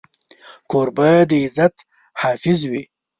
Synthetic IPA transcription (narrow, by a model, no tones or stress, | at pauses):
koɾbad̪əɪzat̪ | hɑːfɪzwi